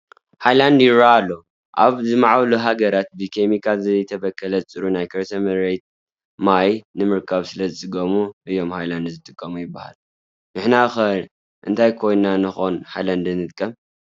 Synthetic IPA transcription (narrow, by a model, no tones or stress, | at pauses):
hajland̪jɪɾaːlːo̞ | ʔa̰βzɨmaʕawluɦaɡɐɾat̪̚bɨkʰemikʰazɨjt̪ʰɐbɐkʰːɐlɐzɨt͡sʼɨɾunajkʰɐɾsʰɐmɐɾejt̪̚ | majnɨmɨɾkʰaβsɨlɐzɨt͡sʼɨɡɐmuʔɨjːo̞mhajland̪zɨt̪ʼɨkʼːɐmujɪbːaha̰l | nɨħnaxɐ | ʔɨnt̪ʰajkʰo̞jnnanɨxo̞nħajland̪ɨnɨt̪kʼːɐm